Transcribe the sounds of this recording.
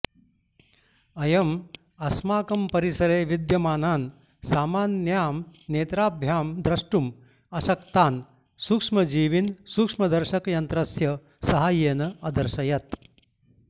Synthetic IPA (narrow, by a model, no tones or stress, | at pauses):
ɐjɐm | ɐsmaːkɐmpɐɾisɐɾeːʋid̪jɐmaːnaːn | saːmaːnjaːmneːt̪ɾaːbʱjaːmd̪ɾɐʂʈum | ɐʃɐkt̪aːn | suːkʂmɐd͡ʒiːʋinsuːkʂmɐd̪ɐɾʃɐkjɐnt̪ɾɐsjɐ | sɐɦaːjeːnɐɐd̪ɐɾʃɐjɐt̪